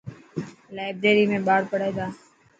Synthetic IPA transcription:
laːɪbɾeːɾiːmẽːɓaːɽpəɽeːd̪aː

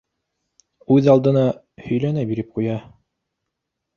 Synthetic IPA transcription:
ʉðɑlˠd̪ɤ̆nɑ | hɵ̆jlænæbiɾɘp̚qujɑ

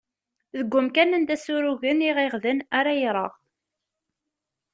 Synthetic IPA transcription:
ðəɡʷːʊmkænənd̪æsuɾuʝəniʁeʁðənaɾajɾˤə̰ʁ

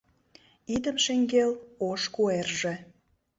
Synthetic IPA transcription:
id̪ə̆mʃeŋɡeloʃkuerʒĕ

